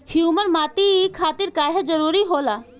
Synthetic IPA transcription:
hjuːməɾmaːt̪ikʰaːt̪iɾkaːɦed͡ʒəɾuːɾiɦoːlaː

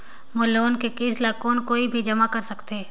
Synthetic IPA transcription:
mʊloːnkekiːslaːkoːnkoːibʱid͡ʒɐmakɐɾsɐkt̪eː

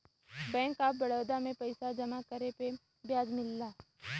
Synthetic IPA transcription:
bɛ̃ːŋkaːpbɐɽəːd̪amẽpɐɪsad͡ʒɐmakəɾepe | bjaːd͡ʒmɪlːaː

